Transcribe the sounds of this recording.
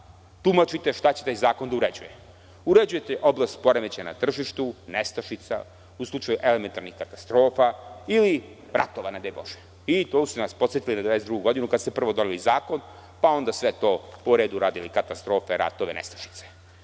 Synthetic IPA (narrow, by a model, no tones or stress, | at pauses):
t̪umat͡ʃit̪e̞ʃt̪at͡ɕe̞t̪ajzaːko̞nd̪auɾed͡ʑuje | uɾed͡ʑuje̞t̪eʔo̞blast̪po̞ɾemet͡ɕana̰t̪r̩ʒiʃt̪unest̪aʃit̪sa̰ | uslˠut͡ʃajuʔe̞lement̪aɾnixkat̪ḁst̪ɾo̞ːfaili | ɾa̰t̪oʋanad̪ebo̰ʒe̥ | it̪oːsenaspo̞t̪set̪ilinad̪ʋaesd̪ɾuɡuɡo̞d̪inukad̪st̪e̞pr̩ʋo̞d̪oʋilizaːko̞n | pao̞nd̪asʋe̞t̪o̞poɾeːd̪uɾaːd̪ilikat̪ast̪ɾo̞ːfeɾa̰t̪o̞ʋḛnḛst̪ḁʃi̥t̪se̥